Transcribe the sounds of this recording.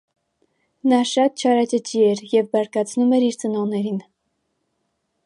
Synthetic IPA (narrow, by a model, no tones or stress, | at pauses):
nɑʃɑt̪̚t͡ʃʰɑɾɑt͡ʃət͡ʃiɛɾjɛvbɑɾkɑt͡sʰnumɛɾiɾt͡sənɔʁnɛɾin